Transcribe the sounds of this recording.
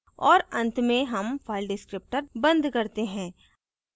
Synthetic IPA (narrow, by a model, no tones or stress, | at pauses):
ɔːɾɐ̃nt̪mẽɦɐmfʰaːɪlɖɪskɾɪp̚ʈəɾbɐ̃nd̪kɐɾt̪eɦɛ̃ː